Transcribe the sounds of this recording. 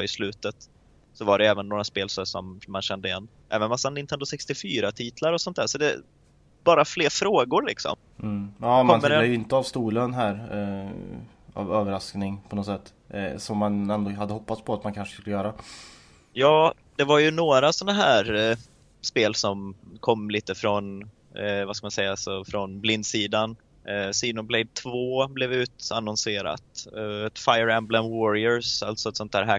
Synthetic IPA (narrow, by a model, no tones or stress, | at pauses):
ɪslʉ̟ːt̪ət̪ | sɔvaɖɛjɛːvənːoːɾaspeːlsɔsɔmːanɕɛnd̪əɪɛ̰nː | ʔɛ̰ːvənmasːanɪnt̪ɛnd̪ʊsɛkst̪ɪfyːɾat̪ʰiːt̪ʰlaɾɔsɔnt̪̚d̪æːʂɔd̪ɛ̰ | bɑːɾafleːɾfɾoːɡʊɾɭɪksɔ̰m̩ː | ɑːmɔnəajəɪnt̪əavst̪uːlənɦæɾ | a̰vøːvəɾasknɪŋpʰɔnɔt̪sɛt̪ː | sɔmːanɛnd̪oːhad̪ːəɦɔpːat̪spʰɔat̪mankʰanʂə̥skɵləjœːɾa | jɑː | d̪̥ɛvaɾjɵnoːɾasɔnaɦæːɾ | speːlsɔmkʰɔmːliːt̪əfɾɔn | vaskamansɛjːasɔfɾɔnblɪnd̪siːd̪an | siːd̪ʊnblɛɪd̪̚t̪ʰvoːblɛvʉ̟ːt̪anɔnseːɾa̰t̪ɛt̪fajəɾæmblənwɔɾɪəɾsa̰lt̪sɔɛt̪sɔnt̪ʰhæ̰ːɾɦæ